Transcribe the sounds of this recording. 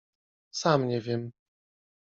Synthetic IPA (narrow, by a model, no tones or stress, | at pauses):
samɲɛvʲjɛm